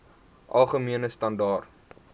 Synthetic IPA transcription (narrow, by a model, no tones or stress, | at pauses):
ʔɐlˠχəmiənəstɐndɑːrt